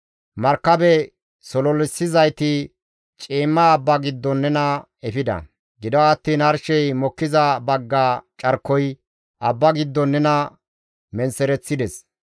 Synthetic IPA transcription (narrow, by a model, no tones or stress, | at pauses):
mɐɾkːɐbɛ | sɔlɔlɪsːɪzɐjt̪ɪ | t͡ʃʼiːmːaːbːɐɡɪd̪ːɔnːɛnɐ | ɛfɪd̪ɐ̰ | ɡɪd̪ɔwɐːt̪ːiːnɐɾʃɛjmɔkːɪzɐbɐɡːaːt͡ʃʼɐɾkːɔj | ʔɐbːɐɡɪd̪ːɔnːɛnɐ | mɛnsɛɾɛt͡sːɪd̪ɛs